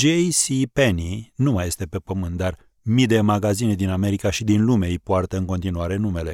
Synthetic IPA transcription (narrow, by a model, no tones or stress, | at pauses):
d͡ʒejsipeninumaje̞st̪e̞pe̞pəmɨnt̪̚d̪ar | mid̪e̞maɡazine̞d̪iname̞ɾikaʃid̪inlume̞ijpoart̪əɨŋko̞nt̪inuaɾe̞nume̞le̞